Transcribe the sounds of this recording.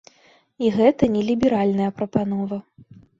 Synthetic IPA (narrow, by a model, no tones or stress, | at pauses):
iɣɛt̪ɐnʲɛlʲibʲɛɾalʲnɐjɐpɾɐpan̪ɔvɐ